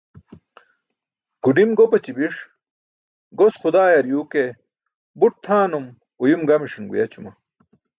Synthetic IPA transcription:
ɡ̥uɖimɡopɐt͡ɕibiʂ | ɡosχud̪aːjɐɾjuːke | buʈ̚t̪ʰaːnum | ujumɡɐmiʂinɡṵjɐt͡ɕumɐ

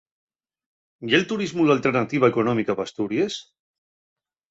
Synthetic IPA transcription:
jelt̪uɾizmulalt̪eɾnat̪iβaekunɔmikaβast̪uɾies

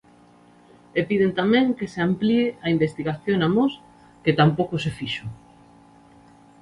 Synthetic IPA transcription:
epiðent̪amɛ̃ŋkeseamplieaimbest̪iɣaθjonamos | ket̪ampowkʊsefiʃʊ

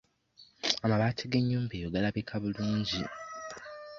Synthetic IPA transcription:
amaβaːtʰiɡeɲːuːmbeːjoɡalaβikʰaβuluːɲɟi

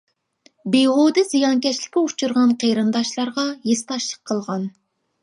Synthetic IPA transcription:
beʁod̪ɨzijɑnkʲʰɛʃlɪ̥kʲiut͡ʃʰuɾʁɑnqʰejɾɨnd̪ɑʃlˠɑɾʁɑjest̪ɑʃlˠəqʰːəlˠʁɑn

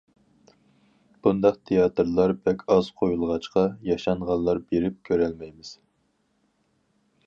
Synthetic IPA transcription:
b̥und̪ɑqt̪ʰejɑt̪ɨɾlˠɑɾbɛkʲʰɑz̥qʰojulˠʁɑt͡ʃqɑjɑʃɑɴʁɑllˠːɑɾbeɾɪp̚kʲʰøɾɛlmɛjmɪz̥

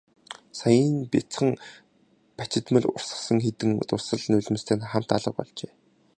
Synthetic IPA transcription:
sajinpʲit͡sχə̆ŋ | pat͡ɕɪ̆t̪mɘ̆ɮʊ̰rsə̆χsə̆ŋxet̪ɘ̆ŋt̪ʊsə̆ɮnʊɮ̆ʲm̆st̪ʰeːnχam̥t̪aɮə̆q̚pɔ̰ɮt͡ɕeː

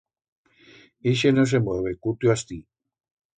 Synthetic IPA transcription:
iʃ̬enos̬emeβekut̪juast̪i

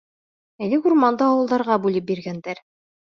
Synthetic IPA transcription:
ælɘɡuɾmɑnd̪ɤɑwɤ̆lˠd̪ɑɾʁɑbʉlɘp̚biɾɡænd̪æɾ

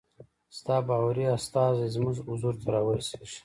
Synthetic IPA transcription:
st̪ɑːbɑwaɾiast̪ɑːzezmuzuzuɾt̪ʰaɾɑwəse̥ʂ

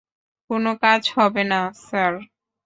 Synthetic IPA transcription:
konokad͡ʑhɔbenasaɾ

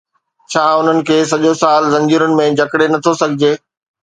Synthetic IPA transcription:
t͡ɕʰaːʊn̤ənɪ̆kʰeːsɐʄosaːlzɐ̃ɲd͡ʑiːɾʊnɪ̆mẽd͡ʑʱɐkɽenɐt̪ʰosɐɡʱɪd͡ʑeː

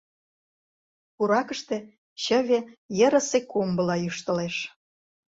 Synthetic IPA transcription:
puɾɑkə̆ʃt̪ĕ | ɕə̆βejə̆ɾə̆sekumbə̆lɑjyʃt̪ə̆leʃ

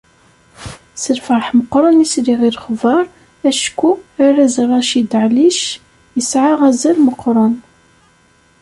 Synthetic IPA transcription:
səlfəɾˤħməqːɾˤɑnisɾiʁiɾχvɑɾˤ | æʃkuaɾæzrˤːɑʃid̪ʕliʃ | jəsʕaʁæzælməqːɾˤɑn

